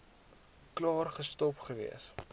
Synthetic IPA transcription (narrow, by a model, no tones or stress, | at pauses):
klɑːrχəstɔpχəvḭəs